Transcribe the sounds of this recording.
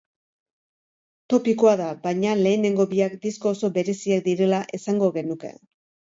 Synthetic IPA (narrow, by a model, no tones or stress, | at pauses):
t̪o̞piko̞aðabajɲale̞ːne̞ŋɡo̞βiakd̪isko̞ːso̞βe̞ɾe̞siak̚d̪iɾe̞laʔe̞saŋɡo̞ɣe̞nuke̞̰